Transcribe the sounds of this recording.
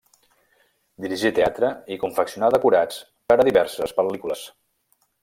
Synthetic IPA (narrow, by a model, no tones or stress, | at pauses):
d̪iɾiʒit̪eat̪ɾəikuɱfəksiunaðəkuɾat͡s | kaɾəðiβɛɾsəspəlikuləs